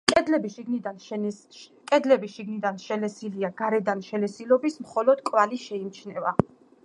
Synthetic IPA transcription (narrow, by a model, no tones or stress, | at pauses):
kʼɛd̪lɛbiʃiɡnid̪a | kʼɛd̪lɛbiʃiɡnid̪anʃɛlɛsiliaɡaɾɛd̪anʃɛlɛsilɔbismχɔlɔd̪̥kʼwaliʃɛimt͡ʃʰnɛva